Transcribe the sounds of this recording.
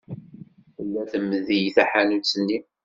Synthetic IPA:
θəlːæθəmːðijθæħanut͡sːənːi

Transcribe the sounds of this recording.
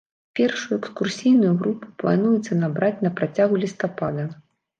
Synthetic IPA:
pʲɛrʂujuɛkskursʲijnujuɣɾupu̥plˠa̰n̪ujɛt̪sːɐnabɾat͡sʲnɐpɾat͡sʲaɣulʲist̪apad̪ɐ

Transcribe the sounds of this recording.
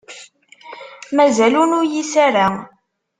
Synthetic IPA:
mæzælunʊɾjisaɾæ

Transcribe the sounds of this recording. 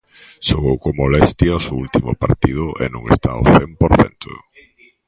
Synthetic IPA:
ʃoɣowkomolɛst̪jaosoult̪imʊpaɾt̪iðʊʔḛnũŋḛst̪a̰o̰θempoɾθɛ̰nt̪ʰʊ̰

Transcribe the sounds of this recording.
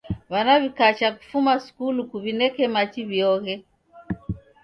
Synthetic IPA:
βanaβikat͡ʃaku̥fumaskulukuβinɛkɛmat͡ʃiβjɔɣɛ

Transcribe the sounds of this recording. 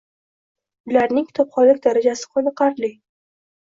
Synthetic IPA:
ʊlaɾnɪŋkʲʰɪ̥t̪ʰɒpχɒlːɪkʲd̪aɾad͡ʒasɪ̥qʰonɨqʰɑɾlɪ

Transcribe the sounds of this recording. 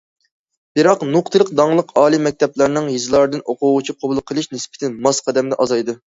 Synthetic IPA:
b̥ɪɾɑqnʊqt̪ʰɨlˠəq̚d̪ɑŋlˠəqɑːlˠimɛk̚ʲt̪ʰɛplˠæɾnɨŋjizɨlˠɑɾd̪ɨnoqʊʁut͡ʃʰiqʰobulˠqʰəlˠɨʃnɪspɪ̥t̪ʰɪnmɑsqʰɑd̪ɛmd̪ɛʔɑzɑjd̪ɨ

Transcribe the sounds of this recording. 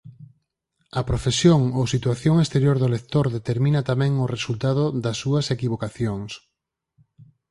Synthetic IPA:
ɐpɾofesjoŋosit̪waθjoŋest̪eɾjoɾðʊlekt̪oɾðet̪eɾmĩnɐt̪amɛ̃ŋʊresult̪að̞ʊðɐsːuɐsekiβ̞okaθjoŋs

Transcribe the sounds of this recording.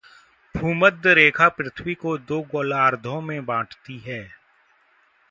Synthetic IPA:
bʱuːməd̪əɾeːkʰapɾɪt̪ʰwikod̪oːɡoːlaːɾd̪ʱõmẽbãːʈʰt̪iɦɛː

